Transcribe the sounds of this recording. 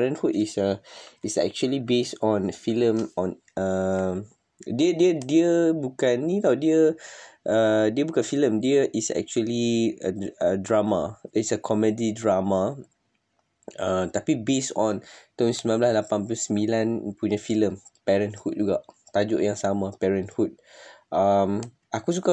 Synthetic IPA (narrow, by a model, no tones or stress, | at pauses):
pɛɹə̃nhut̚isəisɛ̰k̚t͡ʃuəlibesɔ̃nfilə̃mɔ̃n | ə | diədiədiəbukanːit̪awdiəʔədiəbukãnfilə̃mdiəʔisɛ̰k̚t͡ʃuəliəədɹamadɛsəkʰɔmədidɹama | ãt̪apibesɔ̃nt̪ɔ̃nsmilãnblaslapãnbusəmilãnpuɲafilə̃mpɛɹə̃nhut̚d͡ʒuɡa̰ʔ | t̪ad͡ʒo̰ʔjãŋsamapɛɹə̃nhut̪̚ʔam | ʔakus̬uka